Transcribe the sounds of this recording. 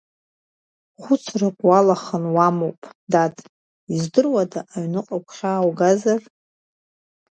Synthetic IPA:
χʷʊt͡sʰraqʷʼwalaχənwamowpʼdatʰʼ | izdɨrwadaʔːɥnɨqʼakʷʰχʲaːwɡazar

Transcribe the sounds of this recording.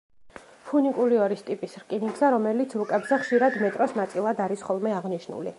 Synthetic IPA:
pʰunikʼuɾiɔɾist̪ʼipʼisɾkʼiniɡzɛɾɔmɛlit̪sʰɾukʼɛbzɛχʃiɾad̪mɛt̪ʼɾɔsnat̪sʼilˠad̪aɾisχɔlˠmɛaʁniʃnṵlḭ

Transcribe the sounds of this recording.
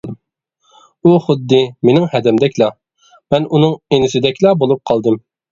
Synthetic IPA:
uχʊd̪ːɨmenɪŋhɛd̪ɛmd̪ɛkʲlɑ | mɛnunɨŋenɪsɪd̪ɛkʲlˠɑbolˠup̚qʰɑlˠd̪ɨm

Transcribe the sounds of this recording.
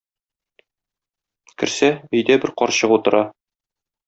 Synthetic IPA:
kɘ̆ɾsæɵ̆jd̪æbɘɾqɒɾɕɤqut̪ɤ̆ɾɑ

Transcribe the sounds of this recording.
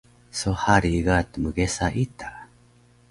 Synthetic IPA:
sohaɾiɡat̪ːmɯɡesaʔit̪a

